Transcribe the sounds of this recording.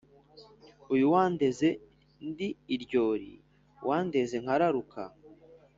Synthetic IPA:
ujuwaːnde̞ze̞ | ndiːɾɟo̞ːɾḭ | wʔaːnde̞ze̞ŋ̥haɾaɾuka̰

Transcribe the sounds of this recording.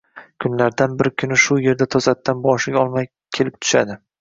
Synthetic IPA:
kʰʊnlaɾd̪anbɪɾkʲʰʊnɪʃʊje̞ɾd̪at̪ʰɒzat̪ʰːanbɒʃɪɡʲaɒlˠmaj | kʲʰe̞lɪp̚t̪ʰʊ̥ʃa̰d̪ɪ

